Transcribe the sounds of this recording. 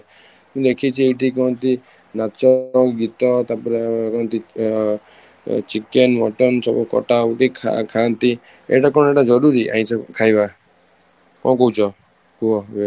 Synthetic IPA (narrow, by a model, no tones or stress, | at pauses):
mũd̪ekʰit͡ʃʰieʈikɔɦɔnt̪i | nat͡ʃɔɡit̪ɔt̪apɔɾekɔɦɔnt̪i | t͡ʃikenmɔ̰ʈɔnsɔbɔkɔ̰ʈauʈia̰kʰant̪i | ḛʈakɔɽ̃eʈad͡ʒɔɾuɾiʔa̰ɦĩt͡ʃʰɔkʰajba | kɔ̰̃kɔɦut͡ʃʰɔ | huɔe